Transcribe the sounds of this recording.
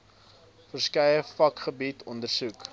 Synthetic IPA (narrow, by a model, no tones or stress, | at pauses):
fərskɐjəfɐkχəbitʰɔndərsuk